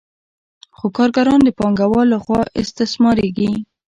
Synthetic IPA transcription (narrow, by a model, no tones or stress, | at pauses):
xokɑɾɡaɾɑnd̪əpɑŋɡawɑlaxwɑʔɪ̰st̪ɪsmɑɾeɡi